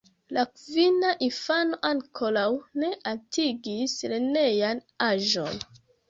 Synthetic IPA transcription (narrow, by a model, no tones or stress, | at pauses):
lakvinaʔifano̞ʔaŋkʰo̞lawne̞ʔatʰiɡislene̞jan | aʒo̞̰n